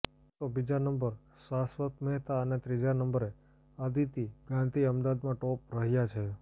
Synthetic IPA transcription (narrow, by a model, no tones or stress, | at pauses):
t̪obid͡ʒanəmbəɾ | sasʋək̪məɦt̪aənet̪ɾid͡ʒanəmbəɾe | ad̪it̪iɡãnt̪iəmd̪ad̪mãʈɔp̚ɾəɦjat͡ʃʰe